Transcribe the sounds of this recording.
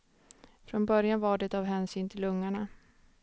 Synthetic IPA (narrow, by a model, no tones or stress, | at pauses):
fɾɔnbœɾjanvaɖɛɛt̪avɦɛːnsyːnt̪ʰɪlːɵŋːaɳa